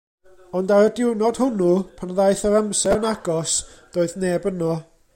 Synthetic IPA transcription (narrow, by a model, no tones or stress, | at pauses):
ɔndaɾədɪwnɔd̥hʊnupʰanðajθɔɾamsɛnaɡɔsd̥oːɨðneːbənɔ